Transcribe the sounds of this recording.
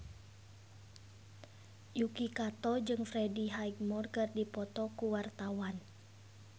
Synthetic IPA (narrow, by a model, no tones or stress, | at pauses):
jukikat̪ɔd͡ʒɨŋfɾɛdiɦaik̚mɔrkɨrdipɔt̪ɔkuwart̪awan